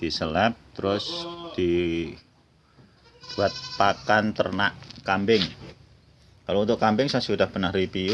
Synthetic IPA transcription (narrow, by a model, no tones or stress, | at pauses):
d̪̥isəlap̚t̪əɾʊsd̪̥i | b̥wat̪̚pakant̪ə̰rnaʔkambɪŋ | kalount̪ʊʔkambɪŋsasudahpərnahripi